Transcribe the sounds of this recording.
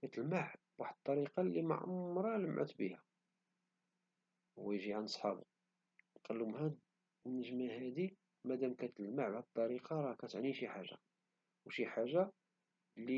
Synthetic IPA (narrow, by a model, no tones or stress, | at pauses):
kæt̪əlmaʕb̥waħd̪ət̪ˤːɑɾiqɑlima̰ʕʕʊ̰mɾˤɑləmːʕə̰t̪bəhæ | wæjʒiʕanəsˤħɑ̰bṵ | qɑlːumhæd̪ | nəʒmæhæd̪i | mæd̪æmkæt̪əlmaʕbaħd̪̚t̪ˤːɑɾiqɑɾˤɑkæt̪əʕniʃiħaʒːa̰ | wʃiħaʒːa | li